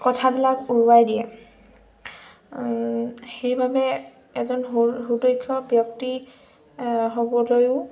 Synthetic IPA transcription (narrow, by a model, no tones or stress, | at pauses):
kɔtʰabilakuɹuajdijɛ | xejbabɛ | ɛzɔnɦudojkʰːjɔbjɔk̚ti | ɦobɔlojʊ